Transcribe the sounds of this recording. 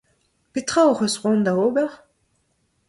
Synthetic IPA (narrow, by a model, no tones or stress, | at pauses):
pet̪χaoʁøsʁɔ̃nd̪aoːbɛʁ